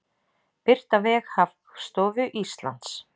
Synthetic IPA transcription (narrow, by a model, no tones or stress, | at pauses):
pɪr̥t̪avɛːɣhafkst̪ɔːvʏʔist̪la̰nt̪s